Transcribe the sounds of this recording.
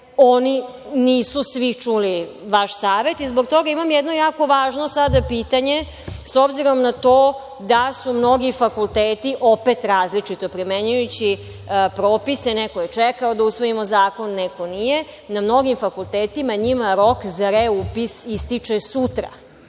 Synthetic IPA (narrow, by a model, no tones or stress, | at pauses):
oni | niːsusʋit͡ʂuli | ʋaʃsaːʋe̞t̪izbo̞ɡ̚t̪o̞ɡaimamjɛd̪no̞jaːko̞ʋaːʒno̞sad̪apiːt̪aɲe̞ | so̞bziɾo̞mnat̪oː | d̪asumno̞ɡifakulˠt̪eːt̪iʔo̞pet̪ɾaːzlit͡ʂit̪o̞pɾimeɲujut͡ɕi | pɾoːpisenekojet͡ʂekaod̪ausʋo̞imo̞zaːko̞nːeko̞nije̞ | namno̞ɡimfakulˠt̪eːt̪imaɲimaɾo̞kzaɾeupisist̪it͡ʂesut̪ɾa̰